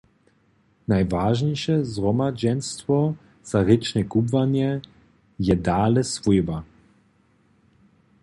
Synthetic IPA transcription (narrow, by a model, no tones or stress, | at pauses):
najvaʒɲɛjʃɛzrɔmad͡ʑɛnst̪vɔ | z̥aɾɪt͡ʃnʲɛkubvaɲjɛ | jɛd̪aːlɛsvujba